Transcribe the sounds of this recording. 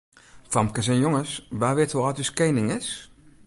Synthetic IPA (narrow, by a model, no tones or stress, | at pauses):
famkəsɛnjoŋəsʋaːʋɪthuɔtyskeːnɪŋɪs